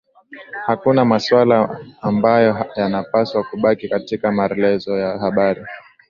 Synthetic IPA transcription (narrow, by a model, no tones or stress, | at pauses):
hakunamaswalaːmbajɔjanapaswakuɓakikatikamaɾɛlɛzɔjahaɓaɾi